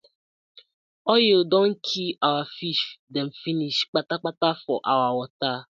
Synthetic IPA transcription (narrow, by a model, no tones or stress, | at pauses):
ɔjɪodɔŋ̩kʰiawafiʃdem̩finiʃk͡patak͡patafɔʔawawɔta